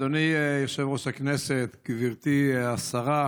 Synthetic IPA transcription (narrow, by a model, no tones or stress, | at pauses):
onijaχʃevʁoʃakneset̪ɡ̥viʁt̪iasaʁa